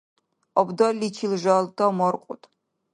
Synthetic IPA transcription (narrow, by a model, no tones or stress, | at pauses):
ʔɔbdɐlit͡ʃʰilʒɐltʰɐmɔrqʷʼʊtʰ